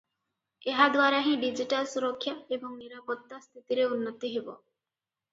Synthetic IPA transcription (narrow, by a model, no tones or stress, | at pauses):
eɦad̪waɾaɦĩɖid͡ʑiʈalsuɾokʰːjaeboŋniɾapot̪ːast̪ʰit̪iɾeunːot̪ːiɦebo̰